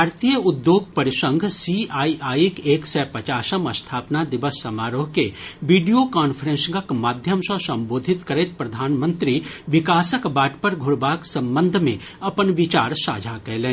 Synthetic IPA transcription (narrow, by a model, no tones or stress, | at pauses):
aːɾt̪ijəʊd̪joːɡ̚pɐɾɪʃə̃ŋɡʱsiaːiʔaːikeːksɛpɐt͡ʃaːsəmɐst̪ʰaːpnad̪ɪʋəsːɐmaːɾoːɦkeʋiːɖijokaːnpʰəɾə̃nsɡəkmaːd̪ʱjəmsɔsɐ̃mboːd̪ʱɪt̪kɐɾeːt̪̚pɾɐd̪ʱaːnmə̃nt̪ɾiʋɪkaːsəkbaːʈpɐɾɡʱʊɾbaːksɐ̃mbə̃nd̪ʱmẽ | ɐpənʋɪt͡ʃaːɾsa̰ːd͡ʒʱakɛlẽː